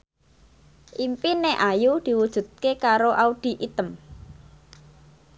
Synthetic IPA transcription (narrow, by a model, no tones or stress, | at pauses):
ʔimpineʔajud̪̥i̤wud̥ʒ̥ṳt̪̚kekaɾoʔauɖ̪̥i̤ʔit̪əm